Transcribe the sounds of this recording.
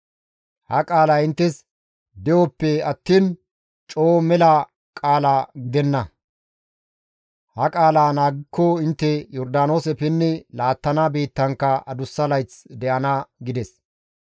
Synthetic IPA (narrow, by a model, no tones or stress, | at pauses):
hɐkʼaːlaɪnt̪ːɛs | d̪ɛjɔpːɛɐt̪ːiːn | t͡ʃʼo̞ːmɛlɐ | kʼaːlaːɡɪd̪ɛnːɐ | hɐkʼaːlaːnaːɡɪkːɔɪnt̪ːɛjɔɾd̪aːno̞ːsɛpɪnːɛlaːt̪ːɐnabeːt̪ːɐŋkːɐɐd̪ʊsːɐlɐjt͡sd̪ɛʔɐnɐɡɪd̪ɛs